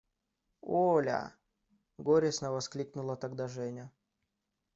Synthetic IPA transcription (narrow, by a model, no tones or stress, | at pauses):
olʲa̰ | ɡoɾʲɪsnəvɐsklʲiknʊlˠət̪ɐɡd̪aʐɛnʲə